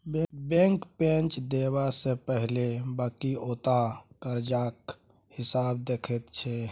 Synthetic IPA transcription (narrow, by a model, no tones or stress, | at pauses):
bbẽŋkpẽnt͡ʃd̪eβasepəɦlebaːkioːt̪akəɾd͡ʒak | hɪsabd̪ekʰɛt̪t͡ʃʰɛ